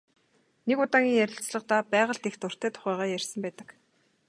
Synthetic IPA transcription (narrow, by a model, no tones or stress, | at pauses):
nekʊt̪aːŋʲiːŋjæɾʲɪ̆t͡sɮə̆qt̪apæːʁə̆ɬt̪ext̪ʊr̥t̪eːt̪ʰʊ̥χæːʁaːjærʲsə̆mpæːt̪ə̆k